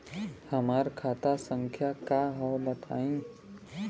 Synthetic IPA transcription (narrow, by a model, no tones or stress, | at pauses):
həmaːɾkʰaːt̪asə̃ŋkʰjakaɦəwbət̪ʰaːĩ